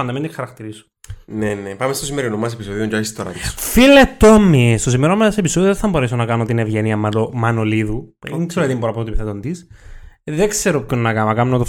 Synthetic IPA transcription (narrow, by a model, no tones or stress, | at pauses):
ɐnd̪ɐmend̪ixɐɾɐkt̪iɾiso̥ | nenepɐmest̪osimeɾinomːɐs̬episoðiond͡ʒasist̪oɾɐ̰t̪isfilet̪ːomːist̪osimeɾomɐsepisoðioðθɐmboɾesonɐkɐnot̪inevʝeniɐmɐnoliðuiŋkseɾoɐt̪imboɾɐpot̪ipiθet̪ond̪is | ðekseɾopkonnɐkɐmɐkɐnnot̪o